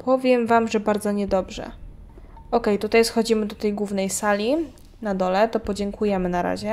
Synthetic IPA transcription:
pʰɔvʲjɛmvamʐɛbaɾd̪zɔɲɛd̪ɔbʐɛ̰ | ɔkɛjt̪ut̪ajsxɔd͡ʑimɘd̪ɔt̪ɛjɡwuvnɛjsalʲi | nad̪ɔlɛt̪ɔpɔd͡ʑɛŋkʰujɛmɘnaɾa̰ʑɛ

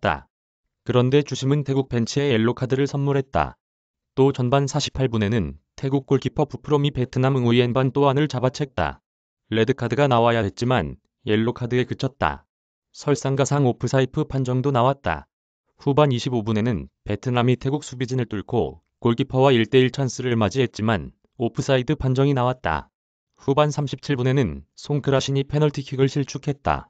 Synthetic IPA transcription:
t͈a̰ | kɯɾʌnde̞t͡ɕuɕʰimɯntʰe̞ɡuk̚p͈e̞nt͡ɕʰiejeɭːokʰadɯɾɯɭsʰʌnmuɾɦe̞t̚t͈a̰ | t͈ot͡ɕʌnbansʰaɕʰi̥pʰːaɭbune̞nɯntʰe̞ɡuk͈ːoɭkipʰʌpupʰɯɾomipe̞tʰɯnamɯŋuienbant͈oanɯɭt͡ɕabat͡ɕʰe̞k̚t͈a̰ː | e̞dɯkʰadɯɡanawajaɦe̞t̚t͡ɕ͈iman | je̞ɭːokʰadɯekɯt͡ɕʰʌt̚t͈a̰ | sʰʌɭs͈aŋɡasʰaŋopʰɯsʰaipʰɯpʰand͡ʑʌŋdonawat̚t͈a̰ | ɸubaniɕʰibobune̞nɯnpe̞tʰɯnamitʰe̞ɡuk̚s͈ʰubid͡ʑinɯɭt͈uɭkʰo̰ | koɭɡipʰʌwaiɭt͈e̞iɭt͡ɕʰans͈ɯɾɯɭmad͡ʑiɦe̞t̚t͡ɕ͈iman | opʰɯsʰaidɯpʰand͡ʑʌŋinawat̚t͈a̰ | ɸubansʰamɕʰi̥p̚t͡ɕʰiɭbune̞nɯnsʰoŋkʰɯɾaɕʰiɲipʰe̞nʌɭtʰikʰiɡɯɭɕʰiɭt͡ɕʰukʰe̞t̚t͈a̰

